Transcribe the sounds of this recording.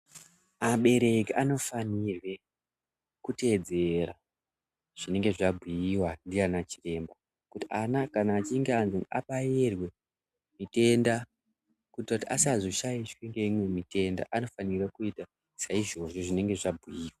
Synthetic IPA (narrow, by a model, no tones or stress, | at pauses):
aɓe̞ɾe̞kiʔano̞fanirwe̞ | kute̞d͡ze̞ra | ʐ̥ine̞ŋɡe̞ʐabʱujiwandiranat͡ʃi̥re̞mba | kutianakanaːt͡ʃiŋɡeanzoaɓajerwe̞ | mite̞nda | kutrautiasiazoʃaiʃwiŋɡeimwe̞mite̞nda̰ʔano̞fanirwakuita | saiʐo̞ʐo̞ʐine̞ŋɡe̞ʐabʱujiːwa